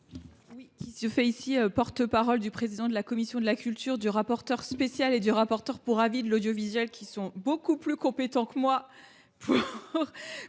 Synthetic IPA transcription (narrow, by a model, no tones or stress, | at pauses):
wikʲisəfɛisiøpɔʁt̪əpaʁɔld̪ypχezid̪ɑ̃d̪əlakɔmisjɔ̃d̪əlakʲylt̪yʁd̪yʁapɔʁt̪œʁspesjaled̪yʁapɔʁt̪œʁpuʁavid̪əlod̪jɔvizɥɛlkʲisɔ̃bokuplykɔ̃pet̪ɑ̃kəmwa | pʰuʁ